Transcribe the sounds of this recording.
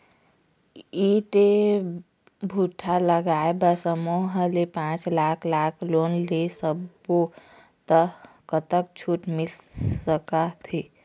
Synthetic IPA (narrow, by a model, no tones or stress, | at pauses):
iʈe | bʱuʈʰaləɡaebəsəmoɦəlepãt͡ʃlakʰlaːkʰloːnlesəb | o | t̪ə | kət̪ək̚t͡ʃʰuʈmɪlsəkat̪ʰi